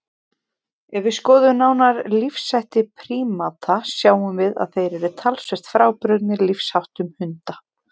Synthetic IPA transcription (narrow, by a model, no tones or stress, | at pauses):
ɛvɪskɔːðʏnaːwnaɾlifsajht̪ɪpʰɾiːmat̪ʰasjaːwʏmvɪða̰ðθejɾɛɾɪt̪ʰalsvɛr̥t̪fɾaːwpɾœt̪nɪɾlifshawht̪ʏmhʏnt̪a